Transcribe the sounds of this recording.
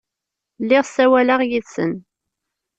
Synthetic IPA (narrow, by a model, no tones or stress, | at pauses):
lːɪʁsæwæləʁjiðsə̰n